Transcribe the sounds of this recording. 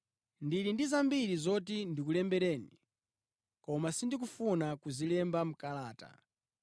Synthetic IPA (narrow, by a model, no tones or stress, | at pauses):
ndiɾindizambiɾizɔt̬indik̬ulɛmbɛɾɛːni | kɔmasindik̬ufunakuzilɛmbam̩kalaːta̰